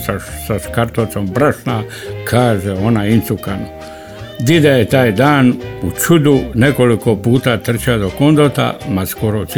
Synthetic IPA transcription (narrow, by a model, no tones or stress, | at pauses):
asaskaɾt̪ot̪sombɾaʂna | kʰaːʒeonainsukanu | d̪id̪ajet̪aːjd̪aːnut͡ʃud̪une̞ko̞liko̞puːt̪at̪r̩t͡ɕad̪okond̪ot̪a̰maskoɾos